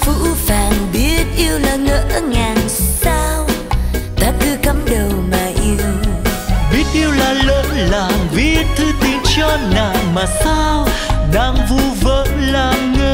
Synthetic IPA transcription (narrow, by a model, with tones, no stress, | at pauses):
fṵ˧˥faː˨˩nɓi˦˥ət̚ʔi˧əwlaː˨˩ŋəː˧˥ŋaː˨˩nsa˧wt̪aː˧kɨ˧kə˨˦mɗə˨˩wmaː˨˩ʔi˧əw | ɓi˦˥ət̚ʔi˧əwlaː˨˩ləː˧˨˥laː˨˩ŋvi˦˥ət̚t̪ʰːɨ˧t̪i˨˩nt͡ɕɔ˧naː˨˩wmaː˨˩saː˧w | ɗaː˧ŋvu˧və˧˥nlaː˨˩ŋəː˧˦